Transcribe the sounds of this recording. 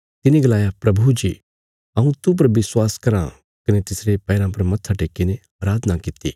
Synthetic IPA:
t̪ɪneɡɐlaːjapɾɐbʱud͡ʒḭ | ɐũt̪up̬ɐɾʋɪswaːskɐɾã̰ | kɐnet̪ɪsɾepɛːɾãpɐɾmɐt̪ʰːaʈeːkinẽ | aːɾaːd̪ʱənakɪt̪ḭː

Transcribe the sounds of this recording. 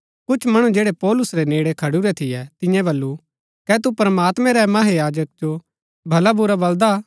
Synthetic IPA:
kʊt͡ʃʰmɐɽ̃ũd͡ʒeːɽepɔːlʊsɾeneːɽekʰɐɽuɾɛt̪ʰɪjɛt̪ɪ̃jãbɐlːu | kɛt̪upɾəmaːt̪mɛ̃ɾɛmɐɦejaːd͡ʒək̚d͡ʒo | bʱɐlabʊɾabɐld̪a

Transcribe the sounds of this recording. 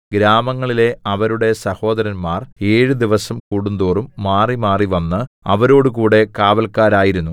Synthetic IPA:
ɡɾaːmɐŋːɐɭile̞ɐʋɐɾuɽe̞sɐho̞ːd̪ɐɾɐnmaːre̞ːɻɨd̪iʋɐsɐmkuːɽund̪oːrumːaːrimaːriʋɐnːɨɐ̰ʋɐɾo̞ːɽɨkuːɽe̞kaːʋɐlkːaːɾaːjiɾunːu

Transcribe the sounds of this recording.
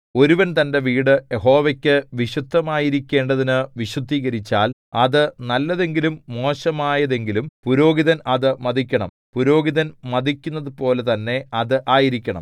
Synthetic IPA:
o̞ɾuʋɐnt̪ɐnde̞ʋiːɽɨjeɦo̞ːʋɐkʲːɨʋiɕud̪ʱːɐmaːjiɾikʲːe̞ːɳɖɐðinɨʋiɕud̪ʱːiːɣɐɾit͡ɕːaːlɐðɨnɐlːɐðe̞ŋɡilumːo̞ːɕɐmaːjɐðe̞ŋɡilumpuɾo̞ːɡiðɐnɐðɨmɐðikʲːɐɳɐ̰m | puɾo̞ːɡiðɐnmɐd̪ikʲːunːɐðɨpo̞ːle̞t̪ɐnːe̞ɐðɨʔaːjiɾikʲːɐɳɐ̰m

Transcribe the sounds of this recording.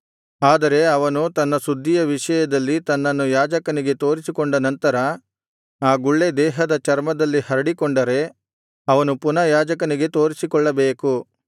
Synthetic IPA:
aːd̪ɐɾe̞ɐʋɐnut̪ɐnːɐsud̪ʱːijɐʋiʂɐjɐd̪ɐlːit̪ɐnːɐnːujaːd͡ʒɐkɐniɡe̞t̪o̞ːɾisikɔɳɖɐnɐnt̪ɐɾɐ | aːɡuɭːe̞d̪ɛːɦɐd̪ɐt͡ʃɐɾmɐd̪ɐlːihɐɾɐɽikɔɳɖɐɾe̞ | ɐʋɐnupunɐjaːd͡ʒɐkɐniɡe̞t̪o̞ːɾisikɔɭːɐbeːku

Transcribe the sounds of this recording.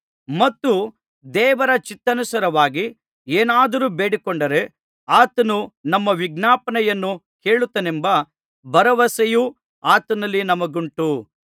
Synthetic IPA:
mɐt̪ːu | d̪ɛːʋɐɾɐt͡ʃit̪ːɐnusɐɾɐʋaːɡi | eːnaːd̪ɐɾuːbeːɽikoɳɖɐɾe | aːt̪ɐnunɐmːɐʋiɡnaːpɐnɐjɐnːu | keːɭut̪ːɐnembɐ | bɐɾɐʋɐsɐju | aːt̪ɐnɐlːinɐmɐɡuɳʈu

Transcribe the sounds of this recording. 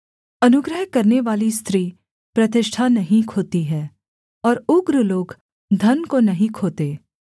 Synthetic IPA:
ɐnʊɡɾəɦkɐɾneʋaːlist̪ɾiː | pɾɐt̪̬ɪʃʈʰanɐɦĩkʰoːt̪iɦɛː | ɔːɾʊɡɾəloːɡ | d̪ʱɐnkonɐɦĩkʰoːt̪eː

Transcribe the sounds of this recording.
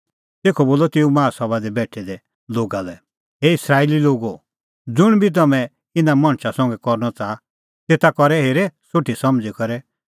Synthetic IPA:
t̪eːkʰɔboːlɔt̪ɪũmãːsɔβad̪ɛbɛːʈʰːɛd̪ɛ | loːɡalɛ | ɦeɪsɾaːililoːɡo | d͡zʊɽ̃bʱit̪̬ɐmɛ̃ | ɪnamɐ̃ɽ̃ʃʰasɔ̃ŋ̆ɡɛkɔɾnɔt͡sa | t̪eːt̪akɔɾɛɦeːɾɛsʊʈʰisɐmd͡zikɔɾɛ

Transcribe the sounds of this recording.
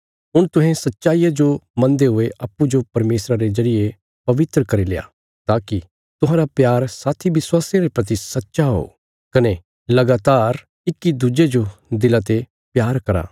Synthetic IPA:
ɦʊɽ̃t̪ʊɦẽsɐtːʃaːijad͡ʒomɐ̃nd̪eɦʊeʔaːpːud͡ʒopɐɾmeːsɾaɾezɐɾije | pɐʋɪt̪ɾəkɐɾileːa̰ | t̪aːki | t̪ʊɦãːɾapjaːɾsaːt̪ʰiʋɪswaːsaɾepɾɐt̪̬isɐtːʃaɦo̰ː | kɐne | lɐɡaːt̪aːɾ | ɪkːid̪ud͡ʒed͡ʒod̪ɪlat̪e | pjaːɾkɐɾa̰ː

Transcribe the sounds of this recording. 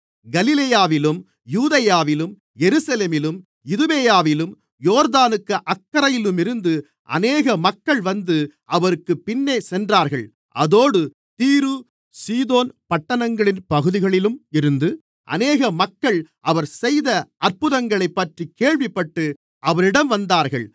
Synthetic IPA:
ɡɐlɪleːjaːʋɪlɯm | juːðɐjaːʋɪlɯm | jɛɾɯsɐleːmɪlɯm | ɪðɯʋeːjaːʋɪlɯm | joːɾðaːnɯkːɐʔɐkːɐɾɐjɪlɯmɪɾɯnd̪ɯ | ʔɐ̰neːɣɐmɐkːɐɭʋɐnd̪ɯʔɐʋɐɾɯkːɯpːɪnːeːsɛndraːɾɣɐɭ | ʔɐðoːɽɯ | t̪iːɾɯ | siːðoːnpɐʈːɐnɐŋɡɐɭɪnpɐɣɯðɪɣɐɭɪlɯmɪɾɯnd̪ɯ | ʔɐ̰neːɣɐmɐkːɐɭʔɐʋɐɾsɛjðɐɐɾpɯðɐŋɡɐɭɐɪpːɐʈrikeːɭʋɪpːɐʈːɯ | ʔɐʋɐɾɪɽɐmʋɐnd̪aːɾɣɐɭ

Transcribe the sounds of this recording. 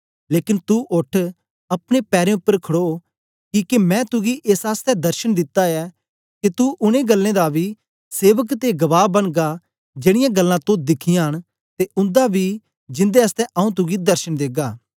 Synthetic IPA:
leːkɪnt̪uʔʊʈʰ | ɐpɽ̃epɛːɾẽʊpːəɾkʰəɽoː | kiːkemɛ̃ːt̪ʊɡiʔesaːst̪ɛd̪əɾʃənd̪ɪt̪ːaɛː | ket̪uʔʊnẽːɡəlːẽːd̪abiː | seːʋəkt̪eɡəʋaːbənɡaː | d͡ʒeːɽɪjãːɡəlːãːt̪õd̪ɪkʰɪjãɦəɽ̃ | t̪eʔʊ̃nd̪abiː | d͡ʒɪ̃nd̪eəst̪ɛʔɐũt̪ʊɡid̪əɾʃənd̪eːɡaː

